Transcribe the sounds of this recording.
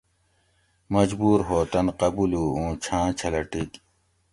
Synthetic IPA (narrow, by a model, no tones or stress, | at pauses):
mɐd͡ʑbuːɾɦoːt̪ɐnqɐbuluːũːt͡ɕʰãːt͡ɕʰɐlɐʈik